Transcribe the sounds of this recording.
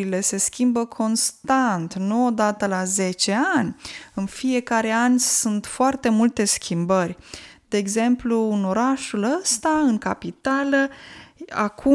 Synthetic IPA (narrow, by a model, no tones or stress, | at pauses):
ile̞se̞skʲimbəkʰo̞nst̪ant̪nuod̪at̪əlaze̞t͡ʃe̞anʲɨnfie̞kaɾe̞anʲsunt̪foart̪e̞mult̪e̞skʲʰimbərʲd̪e̞ːɡze̞mpluːno̞ɾaʃuləst̪aɨŋkapit̪alə | a̰kʰu